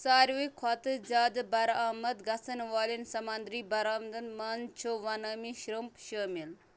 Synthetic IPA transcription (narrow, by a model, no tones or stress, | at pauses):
saːɾʋikʰat̪ɨd͡ʒaːd̪bɐɾaːmɐd̪ɡɐsɐnʋaːlinsɐmɐnd̪ɾiːbɐɾaːmd̪ənmaːnt͡ʃʰoʋɐnɐːmiʃɾəmpʃəːmil